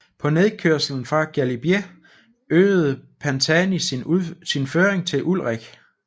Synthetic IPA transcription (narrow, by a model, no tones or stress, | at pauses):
pʰɒ̽ne̝ðˠkʰøɐ̰sl̩n̩fʁɑ̈ɡ̥ælib̥je | øːð̩ˠpʰænt͡sʰænisinføːɐʁeŋt͡sʰe̝lʔulʁeɡ̥